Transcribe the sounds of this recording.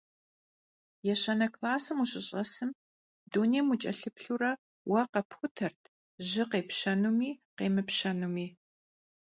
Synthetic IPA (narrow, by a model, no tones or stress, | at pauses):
jɛɕɐnɐkʰlaːsɨmuɕʼɪɕʼɐsɨm | duːneːmut͡ʃʼɐɬɨpɬuɾɐ | wɐqɐpxʷʊtʰɐrtʰ | ʑɪqeːpɕɐnumiːqeːmɨpɕɐnumiː